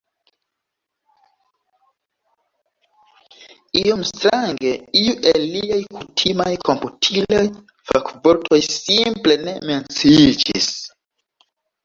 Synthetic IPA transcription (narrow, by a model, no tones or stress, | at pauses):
ijo̞mstɾaŋɡe̞iuʔelːiajkutʰimajkʰomputʰilaj | fakvoɾtʰo̞jsimple̞ne̞me̞nt͡sid͡ʒis